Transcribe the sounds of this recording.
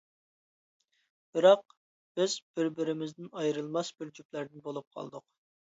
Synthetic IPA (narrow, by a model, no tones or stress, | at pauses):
b̥ɪɾɑq̚ | b̥ɪzb̥ɪɾbɪɾɪmɪzd̪ɪnɑjɾɨlˠmɑsbɪɾd͡ʒyplæɾd̪ɪnbolˠup̚qʰɑ̰lˠd̪ʊq